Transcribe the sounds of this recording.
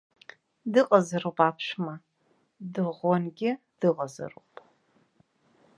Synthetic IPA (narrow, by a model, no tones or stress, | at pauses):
dɨqʼɐzɐɾupʼaːpʰʃmɐ | dɨʁʷɔnɡʲɪ | d̥ɨʁɐzɐ̰ruːpʼ